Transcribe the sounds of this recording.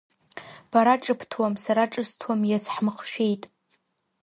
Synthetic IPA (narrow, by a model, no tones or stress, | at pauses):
b̥aɾaʈ͡ʂʼɨpʰtʰwamsaɾaʈ͡ʂʼɨstʰwamjazħmɨχʃᶣe̞jtʼ